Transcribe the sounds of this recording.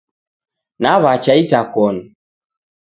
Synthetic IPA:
naβat͡ʃaitakɔnu

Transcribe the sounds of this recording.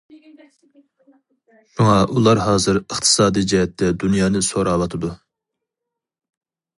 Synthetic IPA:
muŋɑʔulˠɑɾɦɑːzɨɾəχt̪ʰɨ̥sɑːd̪id͡ʒɛɦɛt̪ʰːɛd̪unjɑːnɨsoɾɑwɑt̪ʰɨd̪u

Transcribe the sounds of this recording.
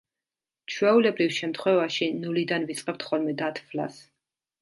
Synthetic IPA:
t͡ʃʰwɛulɛbɾifʃɛmt̪ʰχwɛvaʃinulid̪anvit̪sʼqʼɛp̚t̪ʰχɔlmɛd̪at̪ʰfla̰s

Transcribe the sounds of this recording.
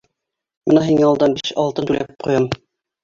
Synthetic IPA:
mɤnæɦiŋæɒlˠd̪ɑnbiɕɑlˠt̪ɤnt̪ʉlæp̚qujɑm

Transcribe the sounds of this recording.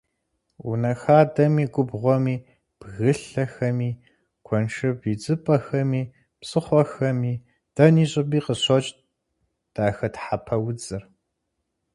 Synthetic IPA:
wunɐxaːdɐmiːɡʷʊbʁʷɔmiː | b̥ɣɨɬɐxɐmiː | kʷʰɔnʂʰɨbid͡zʼɨpʼɐxɐmiː | psʼɨχʷɔxɐmiː | d̥ɐniːɕʼɪbiːqəɕɔt͡ʃʼ | d̥aːxɐtħapʰɐwʊd͡zɨr

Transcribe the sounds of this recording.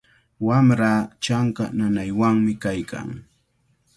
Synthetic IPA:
wamɾaːt͡ʃaŋkananajwaŋmɪkajkʰa̰ŋ

